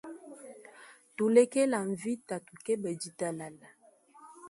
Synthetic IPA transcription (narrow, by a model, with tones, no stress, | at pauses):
to˨lɛ˦kɛ˦la˨ɱ˨vi˦ta˨tu˨kɛ˦bɛ˨d͡ʒi˨ta˦la˨la˨